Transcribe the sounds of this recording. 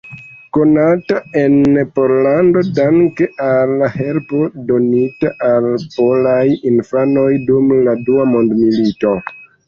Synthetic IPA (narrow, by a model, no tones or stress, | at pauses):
ko̞natae̞npo̞ɾlando̞daŋkeʔalahe̞lpo̞do̞nitaʔalpo̞lajinfano̞jdumladuamo̞ndmilito̞